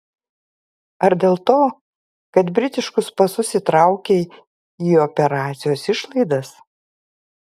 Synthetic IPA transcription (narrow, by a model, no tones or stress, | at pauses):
ɐɾd̪ʲeːlˠt̪oː | kɐt̪bʲɾʲɪt̪ʲɪʃkʊspɐsʊsʲɪt̪ɾɑˑʊkʲeː | iːɔpʲɛɾɑːt̪sʲɪjoːsɪʃlˠɐɪd̪ɐs